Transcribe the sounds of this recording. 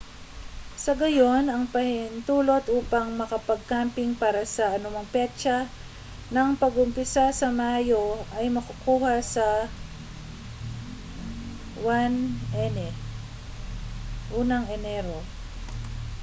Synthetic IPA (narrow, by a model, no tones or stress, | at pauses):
sɐɡɐjo̞nɐŋpɐhɪnt̪uːlo̞t̪ʔuːpɐŋmɐkɐpɐɡ̚kampɪŋpaːɾɐsɐʔɐnʊmɐŋpɛt͡ʃɐ | nɐŋpɐɡʊmpɪsasɐmajo̞ʔɐjmɐkʊkuːhɐsɐ | wanʔɛnɛ | ʔuːnɐŋʔɛnɛɾo